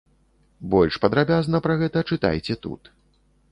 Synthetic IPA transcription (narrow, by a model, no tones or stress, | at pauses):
bɔlʲʂpɐd̪ɾabʲaznɐpɾɐɣɛt̪ɐt͡ʂɨt̪a̰jt͡sʲɛt̪ṵt̪